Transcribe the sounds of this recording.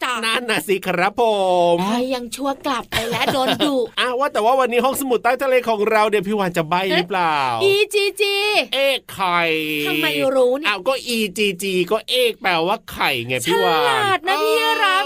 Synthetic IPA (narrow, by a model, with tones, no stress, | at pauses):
t͡ɕa˧˩naː˥˨nːaː˧˩si˧˦kʰa˧ɾa˦˥pʰo˨˧mma˧jːa˧ŋt͡ɕʰu˥˩ɐka˨˩p̚pa˧jlɛ˦˥doː˧nduː˨˩ʔaː˧˩waː˥˩t̪ɛː˨˩waː˥˩wa˧nːiː˦˥ɦɔ˥˩ŋsa˧mu˨˩t̪̚ːaː˥˩t̪ʰa˧leː˧kʰɔː˩˦ŋɾa˧wni˥˩əpʰiː˥˩waː˧nt͡ɕa˨˩ba˧˩jɾɯ˦˥plaː˨˩wʔiː˧t͡ɕiː˧t͡ɕiː˧ʔeː˧˥˩kʰːa˨˩j̪ʰa˧mːa˧jɾuː˦˥nʔaː˧˩wkɔː˥˩ʔiː˧t͡ɕiː˧t͡ɕiː˧kɔː˥˩ʔeː˧˩k̚pɛː˨˩waː˥˩kʰa˨˩jŋa˧˩t͡ɕpʰiː˥˩waː˧laː˨˩t̪̚na˦˥˦pʰiː˥ɯ˧˩ɾa˦˥